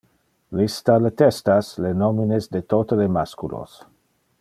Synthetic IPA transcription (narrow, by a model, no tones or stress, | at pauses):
list̪alet̪ɛst̪aslenominezd̪et̪ot̪əlemaskulo̰s